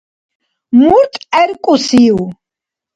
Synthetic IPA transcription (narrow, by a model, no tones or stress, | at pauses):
muɾt̪ʼɛɾkʼusiw